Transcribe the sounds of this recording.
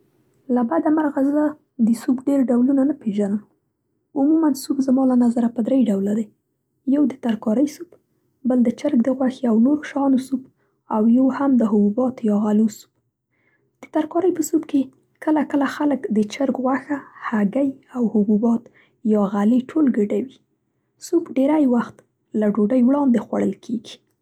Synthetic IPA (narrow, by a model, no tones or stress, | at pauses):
labad̪amaɾɣazə | d̪əsubɖeɾɖawlunanapeʒanəm | ʊmumansubzmɑlanazaɾapəd̪ɾejɖawlad̪aj | jawd̪ət̪aɾkɑɾəjsub | bəld̪ət͡ʃəɾɡd̪əɣwaxeawnoɾoʃɑnosub | awjohamd̪əɦʊbubɑt̪jɑɣalusu̥b̚ | d̪̥ət̪aɾkɑɾəjpəsubke | kəlakəlaxaləkd̪ət͡ʃəɾɡɣwaxahaɡajawhʊbubɑt̪ | jɑɣaliʈʰolɡəɖawi | subɖeɾajwaxt̪ | laɖoɖajwɽɑnd̪exwa̰ɽəlkʰeɡi̥